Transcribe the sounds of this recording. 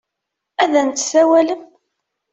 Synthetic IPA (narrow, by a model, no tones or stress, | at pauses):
æðænt̪ːsæwæləm